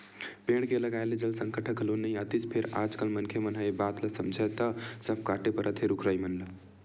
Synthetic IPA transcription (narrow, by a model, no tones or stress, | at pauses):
peɽ̃keləɡajled͡ʒəlsəŋkəʈʰəkɦəlonəjət̪it͡ʃpʰeɾa̰d͡ʒkəlmənkʰemənɦajbat̪ləsəmd͡ʒʱət̪əsəb̚ʱkaʈepəɾʔət̪ʰeɾukʰɾəjmənlə